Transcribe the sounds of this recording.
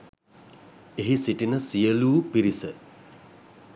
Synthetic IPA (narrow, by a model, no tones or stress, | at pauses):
eɦisiʈinəsijəluːpiɾisə